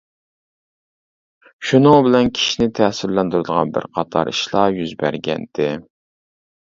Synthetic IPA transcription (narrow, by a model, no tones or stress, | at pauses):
ʃunɨŋbɪlɛnkʲʰi̥ʃinɪt̪ʰɛsɪɾlɛnd̪uɾɨd̪əʁɑnbɪ̰ɾqʰɑt̪ʰɑ̰ɾiʃlˠɑjyzbæ̰ɾɡʲɛ̰nd̪̥ɪ